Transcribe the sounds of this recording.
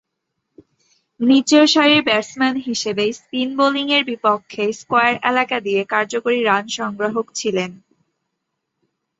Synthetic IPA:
nid͡ʑoʃɔɾiɾbɛɾsmɛnɦiʃebespinboliŋeɾbipokʰːeskajaɾʔelakad̪iekaɾd͡ʑokoɾiɾanʃɔŋɡɾoɦokt͡ɕʰilen

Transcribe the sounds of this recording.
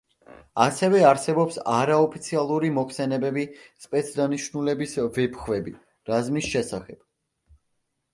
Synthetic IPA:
asɛvɛaɾsɛbɔpsaɾaɔpʰit̪sʰialˠuɾimɔkʰsɛnɛbɛbispʼɛt̪ʰd̪aniʃnulɛbisvɛpʰχvɛbi | ɾazmisʃɛsaχɛb̥

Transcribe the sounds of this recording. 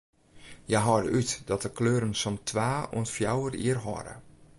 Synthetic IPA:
jɛɦɔɾəytdɔt̚əkløːɾənsɔntʰʋaːṵənfjawərḭərɦɔ̰ɾə̰

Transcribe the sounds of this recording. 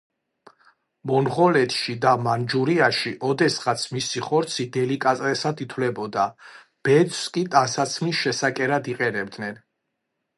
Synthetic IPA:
mɔnχɔlɛt̪ʰʃid̪amand͡ʒuɾiaʃiʔɔd̪ɛsχat̪sʰmisiχɔɾt̪sʰid̪ɛlikʼat̪sʼɾɛsad̪it̪ʰwlɛbɔd̪a | b̥ɛd̪skʼit̪ʼasat̪sʰmiʃɛsakʼɛɾad̪iqʼɛnɛbd̪nɛn

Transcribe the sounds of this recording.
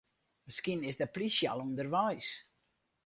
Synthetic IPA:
məskinɪsdəplisja̰lˠundərʋɛjs

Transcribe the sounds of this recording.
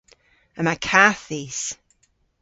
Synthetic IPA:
ə̃makʰaˑθis

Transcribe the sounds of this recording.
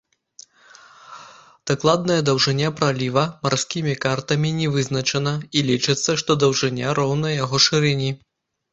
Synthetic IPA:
d̪̥aklˠad̪̚nɐjɐd̪ɐwʐɨnʲapɾalʲivɐmarsʲkʲimʲikart̪ɐmʲinʲɛvɨznɐt͡ʂɐnɐilʲit͡ʂɨt̪sːɐʂt̪ɔd̪ɐwʐɨnʲaɾɔwnɐjjaɣɔʂɨɾɨnʲi

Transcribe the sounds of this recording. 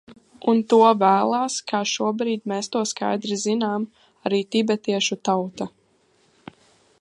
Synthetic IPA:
unt̪uɔvæːlˠaːskʰaːʃuɔbɾiːd̪meːst̪uɔska̰jd̪ɾizinaːm | aɾiːt̪ibɛt̪iɛʃut̪awt̪a

